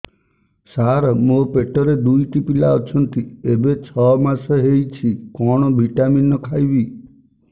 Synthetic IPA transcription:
saɾɔmopeʈɔɾed̪ujʈipilaɔt͡ʃʰɔnt̪iebet͡ʃʰɔmasɔɦejt͡ʃʰikɔɽ̃ɔbʱiʈaminːɔkʰajbi

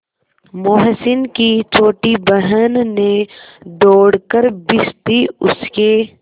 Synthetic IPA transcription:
moːɦsɪnkit͡ʃʰoːʈibəɦənːẽd̪oːɽkəɾbɪst̪iʊ̰ske

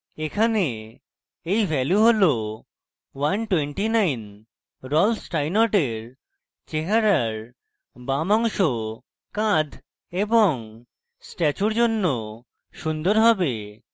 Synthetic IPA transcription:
ekʰane | ejbʱɛljuɦolo | wanʈweɳʈinajn | ɾɔlfsʈajnɔʈeɾ | t͡ɕeɦaɾaɾ | bamɔŋʃo | kãd̪ʱ | eboŋ | sʈɛt͡ɕuɾd͡ʑonːo | ʃund̪oɾɦɔbe

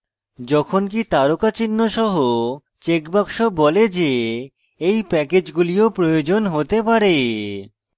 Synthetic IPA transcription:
d͡ʑɔkʰonk̬it̪aɾokat͡ɕinːoʃɔɦo | t͡ɕekbakʃobɔled͡ʑe | ejpɛked͡ʑɡuliopɾojod͡ʑonɦot̪epaɾe

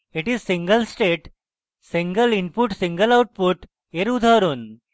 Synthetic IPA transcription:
iʈizsĩŋɡəlsʈeʈ | sĩŋɡəlinpuʈsĩŋɡəlawʈ̚puʈ | eɾud̪ʱaɾun

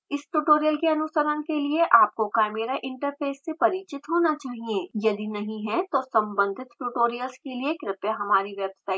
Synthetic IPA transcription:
ɪsʈuːʈoːɾijəlkeɐnʊsəɾənkelieʔaːp̚kokaːmeːɾaʔɪ̃ɳʈəɾfʰeːsːepɐɾiːt͡ʃɪt̪ɦoːnat͡ʃaːɦieːjɐd̪inɐɦĩɦɛt̪osɐ̃mbə̃nd̪ʱɪt̪ʈuːʈoːɾijəlskeliekɾɪpjaɦɐmaːɾiʋɛːbsaːɪ

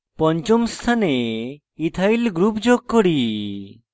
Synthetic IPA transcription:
pɔɲt͡ʃɔmst̪ʰane | it̪ʰajlɡɾupd͡ʒoɡ̚kɔɽi

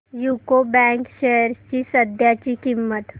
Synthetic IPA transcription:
juːkobɛ̃ːŋkʃɛɦəɾt͡ʃisəd̪ʱjat͡ʃikimːət̪

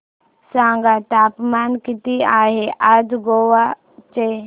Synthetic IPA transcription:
sãːŋɡaʈ̪aːpmaːnkɪt̪iaːɦeʔad͡ʒɡoːwa | t͡ʃe

